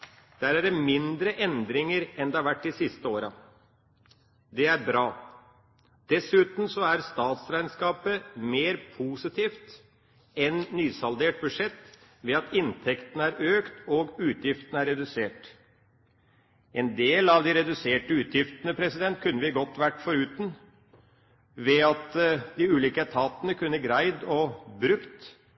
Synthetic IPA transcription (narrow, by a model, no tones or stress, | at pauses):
d̪̥æːɾæɖɛmɪnd̪ɾəʔɛnd̪ɾɪŋəɾɛnd̪ɛhɑɾʋæʈːɪsɪst̪əoːɾɑ | d̪ɛæɾbɾɑː | d̪̥ɛsʉːt̪n̩sɔæɾst̪ɑːt̪sɾæɪnskɑːpəmeːɾpʰuːsɪt̪ʰiːft̪ | ɛnnyːsɑld̪eːʈ̚bʉʂɛt̪ː | ʋɛɑt̪ʰɪnt̪ʰɛkt̪ənəæɾøːkt̪ɔɡʉːt̪jɪft̪ənəæɾːɛd̪ʉseːʈ | ʔɛnd̪eːlɑʋd̪ɪɾɛd̪ʉseːʈəʉːt̪jɪft̪nəpʰɾɛsɪd̪ɛnt̪̚kʰʉnːəʋɪɡɔt̪ːʋæʈːfɔɾʉːt̪n̩ | ʋɛɑt̪d̪ɪʉːliːkət̪ʰɑːt̪ənəkʰʉnːəɡɾæɪd̪ɔbɾʉkt̪